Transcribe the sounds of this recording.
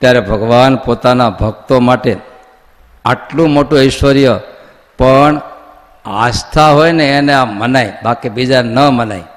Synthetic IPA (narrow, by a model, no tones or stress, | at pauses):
t̪jaɾebʱəɡʋanpot̪anabʱəɡ̚t̪omaʈe | aʈlũmoʈũɪʃʋəɾjə | pəɳ | a̰st̪ʰaɦojneːneamənajbakibid͡ʒanəmənaj